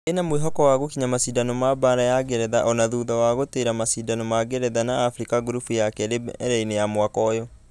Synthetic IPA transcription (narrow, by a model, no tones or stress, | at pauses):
enamweɦɔkɔwaɣokiɲamasidanɔmabaɾajaɡɛɾɛðaʔɔnaðuːðawaɣoteɾamasidanɔmaɡɛɾɛðanaːfɾikaɡuɾufujakɛɾebɾɛinejamwakɔjɔ